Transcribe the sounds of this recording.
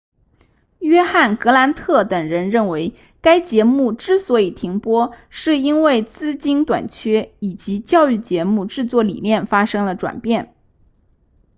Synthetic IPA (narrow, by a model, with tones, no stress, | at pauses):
ɥɛ˥xa˥˩nkɤ˧˥la˧˥nt̪ʰɤ˥˩t̪ɤ˨˩ŋɻə˧˥nɻə˥˩nwe˧˥ɪ | ka˥ɪt͡ɕjɛ˧˥mu˥˩ʈ͡ʂɻ̩˥˩swɔ˧˥i˨˩t̪ʰi˧˥ŋpwɔ˥ʂɻ̩˥˩i˥nwe˥˩ɪt͡sɹ̩˥˩t͡ɕi˥nt̪wa̰˨˩nt͡ɕʰɥɛ˥i˨˩t͡ɕi˧˥t͡ɕjɑ˥˧ʊy˥˩t͡ɕjɛ˧˥mu˥˧ʈ͡ʂɻ̩˥˧t͡swɔ˥˩lḭ˨˩njɛ˥˩nfa˥ʂɤ˥ŋlə˨ʈ͡ʂwa̰˨˩npjɛ˥˩n